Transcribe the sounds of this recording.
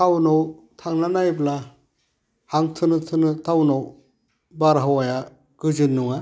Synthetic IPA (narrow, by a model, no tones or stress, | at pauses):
awnow | tʰaŋnanajbla | haŋtʰɯnɯtʰɯnɯtʰawnow | baɾɦawaja | ɡ̥ɯd͡ʒɯnːuŋa